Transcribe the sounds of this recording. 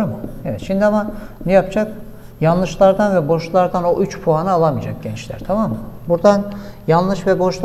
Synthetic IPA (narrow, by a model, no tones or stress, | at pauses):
ɾmɯhɛvɛt̪ʃimd̪iamanɛjapd͡ʒak | janlˠɯʃlˠaɾd̪anvɛbo̞ʃlˠaɾd̪ano̞ʔyt͡ʃpʰuɦanaːlˠamijd͡ʒak̚ɟɛnt͡ʃlʲæ̰ɾt̪ʰamamːbuɾd̪anjanlˠɯʃvɛbo̞ʃlˠ